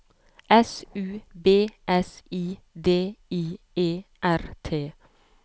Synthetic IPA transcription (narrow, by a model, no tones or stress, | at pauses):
ʔɛsʉːbeːʔɛsiː | d̪eːiː | eːʔæɾt̪ʰeː